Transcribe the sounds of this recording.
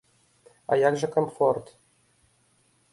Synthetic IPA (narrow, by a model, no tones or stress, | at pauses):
ɑ̰jɑkʐɤ̆komfort̪